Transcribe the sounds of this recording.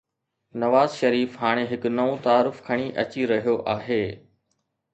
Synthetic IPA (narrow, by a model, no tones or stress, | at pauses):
nɐʋaːzʃɐɾiːfɦaːɽ̃eɦɪkʊnɐõt̪aːɾʊfkʰɐɽ̃iʔɐt͡ɕiɾɐɦijoʔaːɦeː